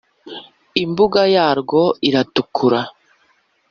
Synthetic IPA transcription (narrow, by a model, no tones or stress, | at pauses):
imbuɡajaːɾɡo̞iɾatukʰuɾa